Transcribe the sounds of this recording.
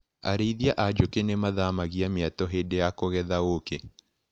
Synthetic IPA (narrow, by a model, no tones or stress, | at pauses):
a̰ɾeiðiaʔad͡ʒokenemaðamaɣiamjatɔɦedejakoɣɛðaoke